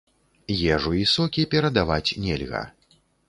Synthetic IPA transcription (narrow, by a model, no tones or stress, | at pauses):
jɛʐuisɔkʲipʲɛɾɐd̪avat͡sʲnʲɛlʲɣɐ̰